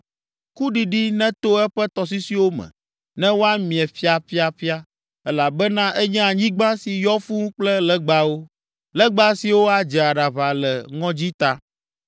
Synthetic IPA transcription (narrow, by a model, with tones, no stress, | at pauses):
ku˦ɖi˨ɖi˦nɛ̃˦t̪o˦ɛ˦ɸɛ˦t̪ɔ˨s̬i˦si˦wo˦mɛ̰̃˨ | nɛ̃˦wo˦a˦mĩ˨ɛ˨fi˦a˨ɸi˦a˦ɸi˦a˦ | ɛ˦la˨bɛ˦nã˦ʔɛ˦ɲɛ̃˦a˨ɲĩ˦ɡ͡bã˦si˨jɔ˦fũ˦k͡plɛ˦lɛ˦ɡ͡ba˦wo˦ | lɛ˦ɡ͡ba˦si˨wo˦a˦d͡ʒɛ˨a˨ɖa˨βa˨lɛ˨ŋɔ̃˦d͡ʑi˦t̪a˦